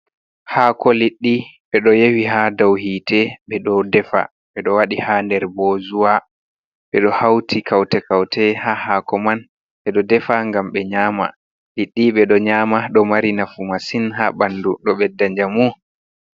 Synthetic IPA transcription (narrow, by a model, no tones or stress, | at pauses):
hakɔliɗːiɓɛɗɔjewiɦadawhiːtʰɛɓɛɗɔdɛfa̰ | ɓɛɗɔwaɗihandɛɾboːzuwa | ɓɛɗɔhawtʰikʰawtɛkawtɛhahakɔman | ɓɛɗɔdɛfaŋɡamɓɛɲaːma̰ | liɗːiɓɛɗɔɲaːmaɗɔmaɾinafumasinhaɓanduɗɔɓɛdːaɲd͡ʒamu